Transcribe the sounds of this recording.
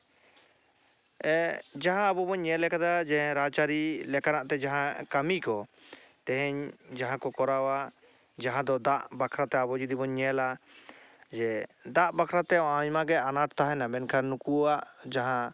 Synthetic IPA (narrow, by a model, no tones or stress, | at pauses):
ɛd͡ʒaɦãːbɔbɔɲːɛlɛkad̪ad͡ʒɛɾat͡ʃaɾilɛkanaʔt̪ɛd͡ʒaɦãkamikɔ | t̪ɛɦɛɲd͡ʒaɦãkɔkɔɾawa | d͡ʒaɦãd̪ɔd̪aʔbakʰɾat̪ɛabɔd͡ʒud̪ibɔɲːɛla | d͡ʒɛd̪aʔbakʰɾat̪ɛɔãjmaɡɛanaʈt̪aɦɛnabɛnkʰanukuaʔd͡ʒaɦã